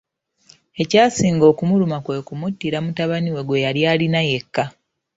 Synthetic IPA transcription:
e̞caːsiːŋɡo̞ːkumulumakwe̞kumutːiɾamutaβaniwe̞ɡwe̞jaljaːlinaje̞kːa

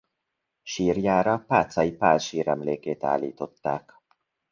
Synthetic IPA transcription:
ʃiːrjaːɾɒpaːt̪sɒipaːlʃiːɾɛmleːkeːt̪a̰ːlḭːt̪o̞t̪ːaːk

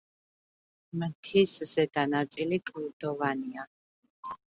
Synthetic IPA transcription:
mt̪ʰiszɛd̪anaɾt̪sʼilikʼid̪ɔvania

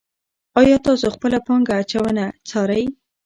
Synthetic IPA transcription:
ɑjɑt̪ɑsoxpəlapɑŋɡaːt͡ʃawənat͡sɑɾaj

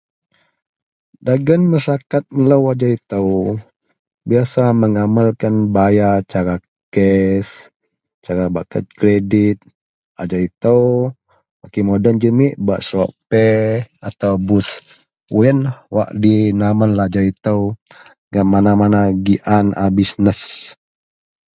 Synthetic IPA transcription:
daɡənmasakat̪̚niləwad͡ʒait̪əw | biasaməŋamalkanbajat͡ʃaɾa | kɛs | t͡ʃaɾabakə̰t̪̚kɾedit̪̚ | ad͡ʒait̪əw | wakimodənd͡ʒəmiʔba̰ʔsɾoʔpɛat̪awbus | uənhwa̰ʔdinamanlad͡ʒait̪əw | ŋaʔmanamanaɡiʔanʔabisnəs

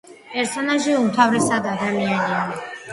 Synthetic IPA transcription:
pʼɛɾsɔnaʒiumt̪ʰavɾɛsad̪ad̪amianiani

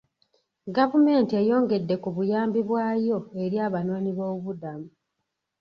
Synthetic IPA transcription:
ɡavume̞ːntiejo̞ːŋɡe̞dːe̞kuβujaːmbiβwaːjo̞e̞ɾjaːβano̞ːniβoːβuβudamu

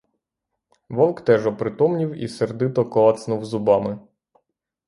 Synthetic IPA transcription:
ʋɔwˠkt̪ɛʒɔpɾɪt̪ɔmnʲiwḭserd̪ɪt̪ɔkɔɑt̪snuwzʊbɑmɪ

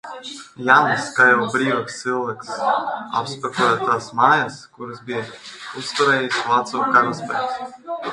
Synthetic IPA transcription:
janskajɔːbɾiːvaksːilˠvɛksa̰pspɛkɔjaːt̪aːsmaːjaskuɾɨsbijɛust̪uɾɛːjislˠat̪suːkaɾaspɛ̰s

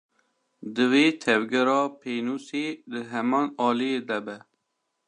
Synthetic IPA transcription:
d̪ɨweːt̪ʰɛvɡɛɾɑːpʰeːnuːseːd̪ɨɦɛmɑːnɑːlijeːd̪ɛbɛ

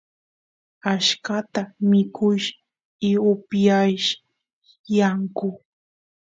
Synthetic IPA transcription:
aʃkat̪amɪkʊʃ | ɪʊpjajʃ | jaŋkʊ

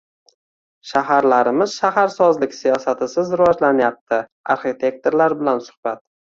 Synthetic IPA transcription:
ʃaɦaɾlaɾɪmɪzʃaɦaɾsɒzlɪkʲsijɒsat̪ʰɪsɪzɾɪvɒd͡ʒlanjap̚t̪ʰɪ | a̰ɾχit̪ʰe̞k̚t̪ʰoɾlaɾbɪlansʊ̥hbat̪̚

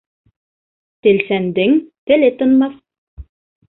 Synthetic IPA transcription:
t̪elsænd̪ɘŋt̪elet̪ɤ̆nmɑθ

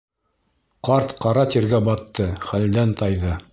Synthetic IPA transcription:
qɑɾt̪qɑɾɑt̪iɾɡæbɑt̪ːɤχæld̪ænt̪ɑjðɤ

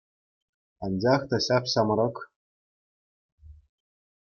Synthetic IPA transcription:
ɑnʲd͡ʑɑχt̪ɑɕɑpɕɑm̆ɾɤ̆k

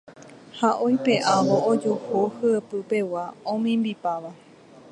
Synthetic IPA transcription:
haʔojpe̞ʔaʋoʔːd͡ʒohohɨepɨpe̞waõmĩmbipaʋa

